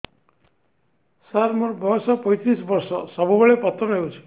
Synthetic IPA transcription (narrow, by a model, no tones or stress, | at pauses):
saɾmɔɾbʱɔsɔpɔjt͡ʃisbɔɾsɔsɔbʱubeɭepɔt̪ːɾɔɦewt͡ʃʰi̥